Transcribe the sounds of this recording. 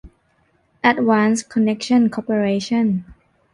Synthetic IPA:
ʔɛt̚wãnskʰɔnɛk̚ʃə̃nkʰɔpəɹeʃə̃n

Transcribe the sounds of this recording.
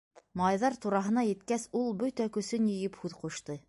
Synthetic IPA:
mɑjðɑɾt̪uɾɑɦɤ̆nɑjɘ̆t̪kæsulˠbɵt̪ækɵ̆sɵnjɘ̆jɘphʉðquʃt̪ɤ

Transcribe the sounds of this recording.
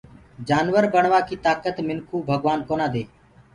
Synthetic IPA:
d͡ʒaːnʋəɾbəɳʋaːkiːt̪aːkət̪mɪnkʰuːbʱəɡʋaːnkoːnãːd̪eː

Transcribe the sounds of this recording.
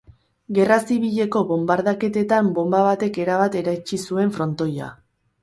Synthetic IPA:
ɡe̞rasiβiʎe̞ko̞βo̞mbaɾð̞ake̞t̪e̞t̪ambo̞mbaβat̪e̞ke̞ɾaβat̪e̞ɾajt͡ʃisue̞ɱfɾo̞nt̪o̞ja̰

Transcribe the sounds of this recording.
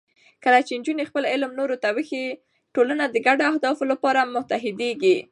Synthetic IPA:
kəlat͡ʃend͡ʒunexpəlɪlmnoɾot̪awəxi | ʈolanad̪əɡaɖoahd̪ɑfolapɑɾamʊt̪aɦɪd̪eɡi

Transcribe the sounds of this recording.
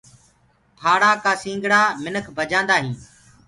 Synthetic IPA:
pʰaːɽaːkaːsĩːŋɡɽaːmɪnəkʰbʱəd͡ʒãːnd̪aːɦĩː

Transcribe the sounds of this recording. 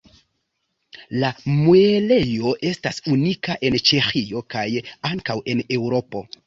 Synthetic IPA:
lamuele̞jo̞ʔe̞stasunikaʔe̞nt͡ʃe̞xio̞kajaŋkawe̞ne̞wɾo̞po̞

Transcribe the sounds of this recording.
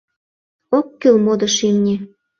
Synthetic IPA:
okːylmod̪ɤ̆ʃimnʲe

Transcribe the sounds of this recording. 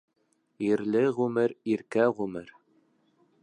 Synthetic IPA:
iɾlɘʁʉmɘɾiɾkæʁʉmɘɾ

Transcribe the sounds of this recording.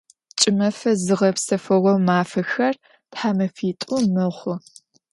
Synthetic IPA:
t͡ʃʼɪmɐfɐzɨʁɐpsɐfɐɣʷɔwmaːfɐxɐr | tħaːmɐfiːtʷʼumɨʁʷʊ

